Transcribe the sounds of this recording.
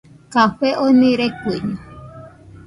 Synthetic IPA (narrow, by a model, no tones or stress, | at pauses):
kaɸeʔonĩɾekɨɲu